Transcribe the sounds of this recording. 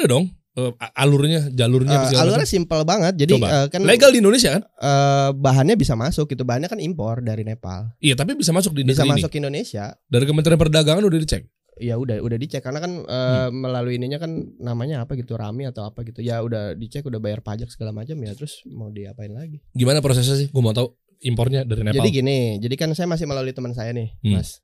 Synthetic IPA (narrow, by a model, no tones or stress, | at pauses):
udadɔŋ | əːʔalʊrɲad͡ʒalʊrɲasalʊrɲasimpəlbaŋət̪̚d͡ʒadiəkanleɡaldiindones̬iakanəːbaɦanɲabisamasʊk̚ɡit̪ubaɦanɲakanimpɔrdaɾinepa̰lijat̪ap̬ibis̬amas̬ʊk̚dindis̬amas̬ʊkindonesiadaɾikəmənt̪ɾianpərdaɡaŋanudahdit͡ʃɛ̰k̚ | ijaudahṵdahdit͡ʃɛkːarənakanəməlaluiniɲakanːamaɲaːpaɡit̪uɾʔa̰miat̪awapaɡit̪ujaudahdit͡ʃɛkudahbajarpad͡ʒak̚səɡalamat͡ʃamjat̪əɾʊsmawdia̰paɪnlaɡiɡimanapɾos̬es̬s̬ɪhɡuamat̪au | impɔrɲadaɾined͡ʒaadiɡinɪd͡ʒadikansajamas̬ɪhməlaluit̪əməns̬ajanɪhmas